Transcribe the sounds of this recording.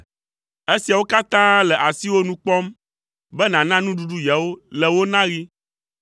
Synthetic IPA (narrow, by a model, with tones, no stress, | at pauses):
e˦si˨a˨wo˦ka˦t̪ã˦lɛ˨ʔa˨si˦wo˦nũ˦k͡pɔ˦m | bɛ˦nã˨nã˦nũ˦ɖu˦ɖu˦ja˨wo˦lɛ˨wo˦nã˦ɣi˦